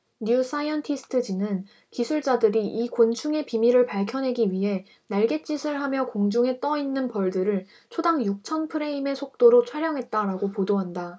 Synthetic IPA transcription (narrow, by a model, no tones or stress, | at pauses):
njus͈ʰaiʌntʰisʰɯ̥tʰɯd͡ʑinɯn | kisʰuɭt͡ɕ͈adɯɾiʔikont͡ɕʰuŋe̞pimiɾɯɭpaɭkʰjʌnɦe̞ɡiɥiɦe̞ | naɭɡe̞t͡ɕ͈isʰɯɭɦamjʌkoŋd͡ʑuŋe̞t͈ʌinːɯnpʌɭdɯɾɯɭ | t͡ɕʰodaŋjuk̚t͡ɕʰʌnpʰɯɾe̞ime̞sʰok̚t͈oɾot͡ɕʰwaɾjʌŋɦe̞t̚t͈aɾaɡopodoɦanda